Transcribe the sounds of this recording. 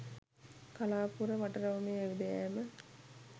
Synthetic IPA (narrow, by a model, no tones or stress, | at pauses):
kalaːpuɾəʋaʈɐɾɐʋɐmeːeʋid̪ejæːmə